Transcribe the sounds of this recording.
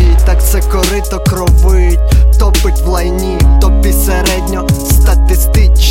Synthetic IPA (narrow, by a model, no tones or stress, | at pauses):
it̪akt̪sɛkɔɾɪt̪ɔkɾɔʋʊjʊtʲt̪ɔpɪtʲʋlˠɐjnʲit̪ɔppʲisɛɾɛd̪ʲnʲɔst̪ɐt̪ɪst̪ɪt͡ʃ